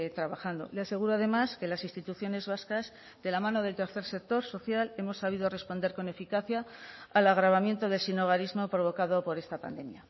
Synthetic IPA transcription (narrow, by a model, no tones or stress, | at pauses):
t̪ɾaβaxand̪o̞̰lease̞ɣuɾo̞að̞e̞maske̞lasinst̪it̪uθjo̞ne̞zβaskaz | d̪e̞lamãno̞ð̞elt̪e̞ɾθe̞ɾse̞k̚t̪o̞ɾso̞θjale̞mo̞sːaβ̞iðo̞re̞spo̞nd̪e̞ɾko̞ne̞fikaθjaːlaɣɾaβamje̞nt̪o̞ðe̞lsino̞ɣ̞aɾizmo̞pɾo̞β̞o̞kaðo̞po̞ɾe̞st̪apa̰nd̪e̞mja